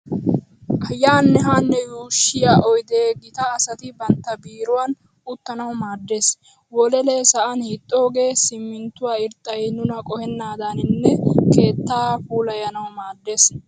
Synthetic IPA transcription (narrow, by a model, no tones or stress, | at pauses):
ʔɐjːaːnːɛɦaːnːɛjuːʃːɪjaːʔɔjd̪eːɡɪt̪ɐːsɐt̪ɪbɐnt̪ːɐbiːɾʊwan | ʊt̪ːɐnɐwmaːd̪ːe̞ːs | wɔlɛleːsɐʔɐnhɪt̪ʼːoːɡe̞ːsɪmːɪnt̪ːʊwaːɪɾt̪ʼːɐjnʊnɐkʼɔhɛnːaːd̪anɪnːɛke̞ːt̪ːaːfuːlɐjɐnɐwʊmaːd̪ːe̞ːs